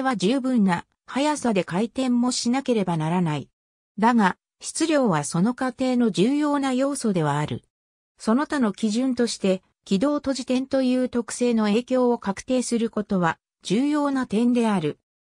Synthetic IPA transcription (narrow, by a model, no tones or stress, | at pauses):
eβaʑɨːbɯ̟̃nːa | hajasad̪e̞kait̪ẽ̞mːo̞ɕinake̞ɾe̞banaɾanai | d̪aŋa | ɕi̥t͡sɨɾʲjo̞ːβaso̞no̞kat̪e̞ːno̞d͡ʑɨːjo̞ːnajo̞ːso̞d̪e̞β̞aːɾɯ̟ | so̞no̞t̪ano̞kʲiʑɨ̃nt̪o̞ɕi̥t̪e̞ | kʲid̪o̞ːt̪o̞ʑit̪ẽ̞nt̪o̞jɯ̟ːt̪o̞kɯ̥se̞ːno̞e̞ːkʲo̞ːokakɯ̟̥t̪e̞ːsɨɾɯ̟ko̞t̪o̞βa | d͡ʑɨːjo̞ːnat̪ẽ̞nd̪e̞aɾɯ̟